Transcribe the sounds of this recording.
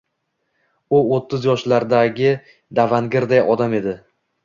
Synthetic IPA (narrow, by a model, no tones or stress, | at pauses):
ʊot̪ʰːɪzjɒʃlaɾd̪aɡʲɪ | d̪avanɡʲɪɾd̪ajɒd̪ame̞d̪ɪ